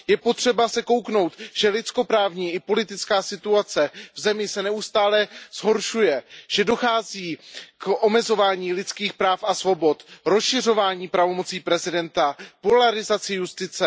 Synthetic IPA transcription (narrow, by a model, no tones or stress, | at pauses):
jɛpo̞t̪r̝̥ɛbasɛko̞wkno̞wt̪ʒ̥ɛlɪt͡sko̞pɾaːvɲiːɪpo̞lɪt̪ɪt͡skaːsɪt̪uat͡sɛvzɛmɪsɛnɛust̪aːlɛz̥ɦo̞ɾʃujɛʒ̥ɛdo̞xaːziːkʔo̞mɛzo̞vaːɲiːlɪt͡skiːxpɾaːfʔasvo̞bo̞t̪ɾo̞sʃɪr̝o̞vaːɲiːpɾavo̞mo̞t͡siːpɾɛzɪdɛnt̪apo̞laɾɪzat͡sɪjust̪ɪt͡sɛ